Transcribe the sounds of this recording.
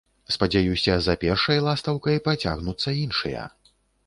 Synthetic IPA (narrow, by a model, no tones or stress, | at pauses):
spɐd͡zʲajusʲɐzɐpʲɛrʂɐjlˠast̪ɐwkɐjpɾat͡sʲa̰ɣnut̪sːɐinʂɨjɐ̰